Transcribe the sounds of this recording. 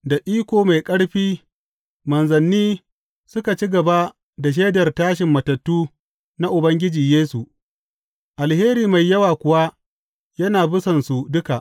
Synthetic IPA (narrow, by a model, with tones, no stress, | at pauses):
da˨ʔiː˦kʷoː˨ma˨jkʼɐ˦ɽɸiː˦ | mɐ˨nzɐ˨nːiː˦ | sʊ˦ka˨t͡ʃi˦ɡɐ˨ba˦ | da˨ʃ̬eː˦dɐ˨rtaː˦ʃɪ˨mːɐ˨tɐ˨tːuː˦ | na˦ʔʊ˨bɐ˦ŋɡʲɪ˦d͡ʒiː˨jeː˦su˨ | ʔa˨lheː˦ɾiː˨ma˨jːɐ˦waː˨kʷʊ˨wa˦ | jɐ˦naː˨bʊ˦sɐ˨nsu˨dʊ˦ka˨ʔ